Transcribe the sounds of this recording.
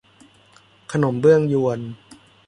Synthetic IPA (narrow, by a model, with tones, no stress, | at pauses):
kʰa˧no˩˦mbɯ˥˩əŋju˧ən